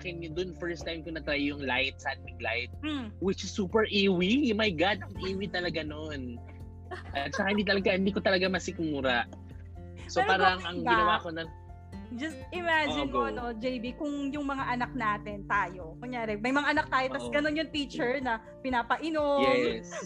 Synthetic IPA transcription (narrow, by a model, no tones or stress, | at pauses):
kɛnjʊd̪onfɛɹst̪ajmkʊnɐt̪ɾajjʊŋlajt̪̚sɐʔɐd̪̚mɪɡla̰jt̪̚m̩wɪt͡ʃɪsːuːpɛɹʔiwimajɡad̪̚ɐŋʔiːwit̪ɐlɐɡanon | ʔɐt̪̚ɐkahɪnd̪iːt̪ɐlɐɡahɪnd̪iːk̬ot̪ɐlɐɡamɐsɪkmuːɾɐʔ | soppaːɾɐŋʔɐŋɡɪnɐwakonɐ | d͡ʒɐst̪ʔɪmad͡ʒɪnkoʔɐnod͡ʒejbikʊŋjʊŋmɐŋaʔɐnak̚naːt̪ɪnt̪aːjo̞koŋjaːɾɛmɐjmɐŋaʔɐnak̚t̪aːjot̪ɐsɡɐnonjʊnt̪iːt͡ʃɛɹnɐ | pɪnaːpɐʔɪnojɛs